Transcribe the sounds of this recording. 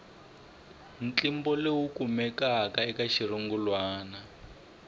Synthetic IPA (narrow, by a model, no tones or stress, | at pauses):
n̩t͡ɬimbɔlewukumɛkakaɛkaʃiɾuŋɡulwaːna